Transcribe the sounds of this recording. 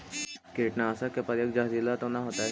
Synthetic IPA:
keːʈnaːsakepəɾjəkd͡ʒaɦzilat̪õnaɦoːt̪aɦɛ

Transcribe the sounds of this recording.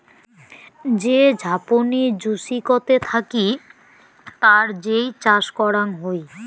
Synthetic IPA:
d͡ʑed͡ʑʱaponid͡ʑuʃikot̪et̪ʰaki | t̪aɾd͡ʑejt͡ɕaʃkɔɾanɦoj

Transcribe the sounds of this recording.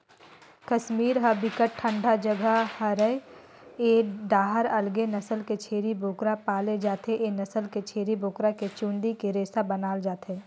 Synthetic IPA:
kɐʃmiːɾɦɐbʱɪkəʈ̚ʈʰə̃ɳɖʱad͡ʒəɡʱəhəɾəe | eɖaːɦəɾɐlɡenɐsəlket͡ʃʰeːɾibʱoːkɾapaːled͡ʒaːt̪eʔenɐsəlket͡ʃʰeːɾibʱoːkɾaket͡ʃũːɳɖ̪ikeɾeːsabənaːld͡ʒaːt̪eː

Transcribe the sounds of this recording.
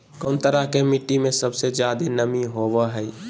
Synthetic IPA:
koːnt̪əɾakemɪʈːimẽsəbsed͡ʒjaːd̪enəmiɦoːʋəɦɛi

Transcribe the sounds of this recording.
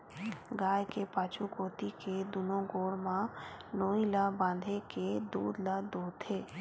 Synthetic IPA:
ɡaːjkepaːt͡ʃukoːt̪iked̪uːnõɡoːɽmãnoːilabãːnd̪ʱeked̪uːd̪lad̪uːd̪t̪ʰeː

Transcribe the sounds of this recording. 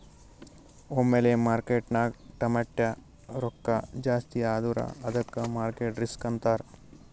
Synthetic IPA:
omːeleːmaːɾkeːʈnaːɡʈɐmɐʈːjɐ | ɾɔkːɐd͡ʒaːst̪iaːd̪uɾɐ̰ɐd̪ɐkːɐmaːɾkeːʈɾiskɐnt̪aːɾ

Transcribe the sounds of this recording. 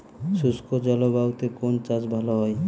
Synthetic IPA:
suskod͡ʒɔlobawt̪ekont͡ʃad͡ʑbʱalɔɦɔj

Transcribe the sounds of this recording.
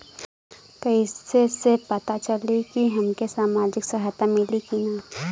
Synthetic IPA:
kɐisesepɐt̪at͡ʃɐlikiɦɐmkesaːmaːd͡ʒɪksɐɦajt̪amɪlikinaː

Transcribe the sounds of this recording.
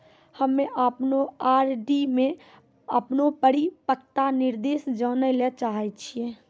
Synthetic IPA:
həmːẽʔəpnoaːɾɖimẽ | əpnopəɽipəkt̪anɪɾd̪eːsd͡ʒɔːnəlɛt͡ʃaːɦit͡ʃʰieː

